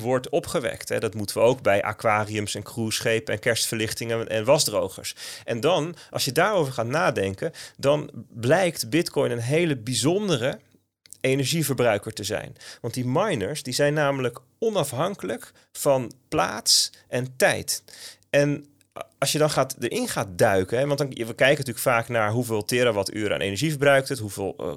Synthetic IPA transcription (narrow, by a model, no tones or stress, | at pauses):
ʋɔɹtɔpχəʋɛ̰ktɦɛ̰dɑtmutəʋəowɡ̚bɛjʔa̰ːkʋaːriəmsɛnkrusχejpəɛnkɛɹstfəɹlɪχtɪŋəʔɛ̰nʋɑzdrowχə̰ɹsʔɛndɑnʔɑ̰lˠʃjədaːɹowvəɹχaːtnaːdɛŋkəndɑnblɛjktbɪtkɔjnənɦejləbizɔndərə | ejnɛɹʒivəɹbrœɥkəɹtəzɛ̰jnʋɑnt̚dimɑjnəɹsdizɛjnːaːmələk | ɔnɑfɦɑŋkələk | fɑnpla̰ːtsʔɛntɛjtʔɛn | ɑlˠsjədɑnχaːtdəɹʔɪnχaːt̚dœɥkənɦɛʋɑntdʋəkɛjkənətyːləkfaːknaːɹɦuvɪːlˠtɪɾəʋɑty̰ːɾa̰ːnʔḛjnɛəɹʒivəɹbrœɥk̚tətɦuvɪːlˠ